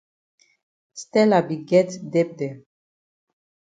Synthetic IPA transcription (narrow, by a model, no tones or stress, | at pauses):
st̪ɛlabiɡɛt̪d̪ɛp̚d̪e